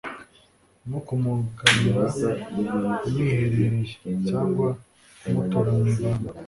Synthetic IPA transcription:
nukumukaniɾa | umwiːheɾeɾeʒe̥caːŋɡwa | umutoɾaniβama

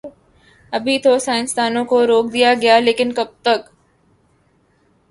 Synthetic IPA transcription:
ɐbʱit̪ʰosaːɪ̃nst̪aːnõkoɾoːk̚d̪ijaɡɐjaleːkɪnkɐb̚t̪ɐk

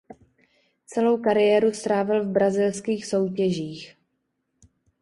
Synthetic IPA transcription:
t͡sɛlo̞wkaɾɪjɛːɾust̪ɾaːvɪlvbɾazɪlskiːxso̞wcɛʒiːx

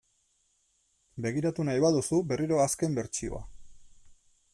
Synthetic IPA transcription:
be̞ɣiɾat̪unajβaðusube̞riɾo̞aske̞mbe̞ɾt͡ʃio̞̰a̰

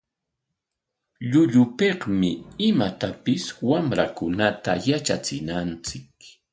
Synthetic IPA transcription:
ʎʊʎʊpehmɪɪmat̪apɪswamɾakʊnat̪ajat͡ʃat͡sɪnant͡sɪk

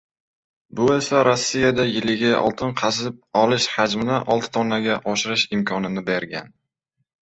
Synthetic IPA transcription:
bʊe̞saɾosːijad̪ajɪlɪɡʲaʔɒ̰lˠt̪ʰɪnqʰɑsɪp̚ɒlɪʃhad͡ʒmɪnɪʔɒlˠt̪ɪ̥t̪ʰɒnːaɡʲaʔɒʃɪɾɪʃɪmkʲʰɒnɪnɪbe̞ɾɡʲa̰n

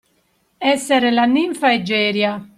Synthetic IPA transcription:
ɛsːɛɾelanːiɱfaɛd͡ʒɛːɾja

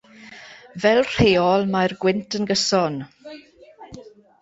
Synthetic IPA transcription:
vɛlˠr̥eːɔlˠmajrɡwɪntʰənɡəsɔn

